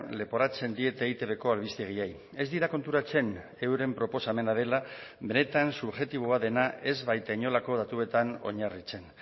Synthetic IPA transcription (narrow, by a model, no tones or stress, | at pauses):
le̞po̞ɾat͡se̞nd̪ie̞t̪eːɣit̪e̞βe̞ko̞alβ̞ist̪eɣ̞iej | e̞zd̪iɾako̞nt̪uɾat͡se̞n | e̞wɾe̞mpɾo̞po̞same̞naðe̞labe̞ne̞t̪ansuβʝe̞t̪iβ̞oaðe̞naʔe̞zβajt̪aiɲo̞lako̞ð̞at̪ue̞t̪ano̞̰ɲarit͡se̞n